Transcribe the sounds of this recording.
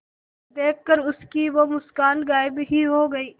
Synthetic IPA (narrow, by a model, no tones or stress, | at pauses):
d̪eːk̚ʰːəɾʊskiʋomʊskaːlɡaːɪbɦiɦoːɡɐiː